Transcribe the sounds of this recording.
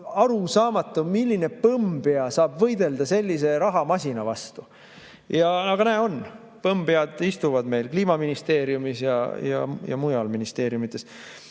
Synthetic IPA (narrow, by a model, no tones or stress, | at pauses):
ɑɾusɑːmɑt̪ːˑumilʲːine̞pɤmb̥eɑsɑːbvɤ̞jd̪e̞ld̪̥ɑse̞lʲːis̬e̞ɾɑɦɑmɑsʲinɑvɑst̪u | jɑnɑɡ̥ɑnæːon | pɤmb̥eɑd̪ist̪uvɑd̪me̞jlkliːmɑminist̪e̞ːɾjumisjɑ̰jɑ̰jɑ̰mujɑlminist̪e̞ːɾjumit̪ˑːe̞s